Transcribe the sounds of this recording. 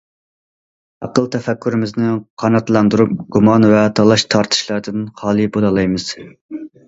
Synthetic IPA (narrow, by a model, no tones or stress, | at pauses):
ɑ̰qəlˠt̪ʰɛfɛkʲːyɾɪmɪznɪqʰɑnɑt̪lˠɑnd̪uɾup̚ɡumɑnvɛt̪ʰɑlˠɑʃt̪ʰɑɾt̪ʰɨ̥ʃlˠɑɾd̪ɨnχɑːlˠɨbolˠɑlˠɑjmɨz̥